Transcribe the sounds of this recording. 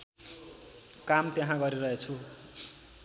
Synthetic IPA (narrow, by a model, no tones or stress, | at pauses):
kamt̪jeɦãɡʌɾiɾʌɦet͡sʰu